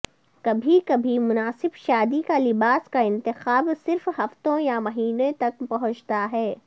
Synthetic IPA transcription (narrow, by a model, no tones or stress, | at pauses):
kɐbʱikɐbʱimʊnaːsɪbʃaːd̪ikalɪbaːskaɪ̃nt̪ɪxaːbsɪɾfɦɐft̪õjamɐɦiːnẽt̪ɐk̚pɐɦʊ̃t͡ʃt̪aɦɛː